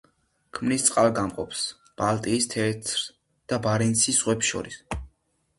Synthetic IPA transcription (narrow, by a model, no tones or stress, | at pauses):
kʰmnist̪sʼqʼalˠɡamqʼɔps | b̥alˠt̪ʼiːst̪ʰɛt̪ʰɾ | d̪̥abaɾinsisʁwɛpsʃɔ̰ɾis